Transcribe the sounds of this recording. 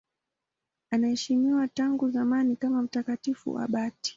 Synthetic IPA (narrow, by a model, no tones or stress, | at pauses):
anahɛʃimiwataŋɡuzamanikamam̩takatifṵa̰ɓati̥